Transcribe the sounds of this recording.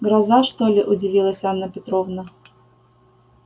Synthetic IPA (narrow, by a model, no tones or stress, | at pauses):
ɡɾɐzaʂt̪olʲɪʔʊdʲɪvʲilˠəsʲanːəpʲɪt̪ɾovnə